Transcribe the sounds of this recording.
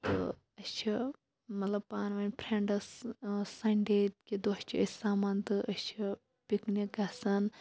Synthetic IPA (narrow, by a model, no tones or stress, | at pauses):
t̪ɨ̰ | ɐt͡ʃʰi | mɐt̪lɐbpaːnʋɐnʲpʰɾẽɳɖɐssɐɳɖet̪kid̪ot͡ʃʰiəsaːmɐnt̪ɨʔɐt͡ʃʰi | piknik̚ɡasɐn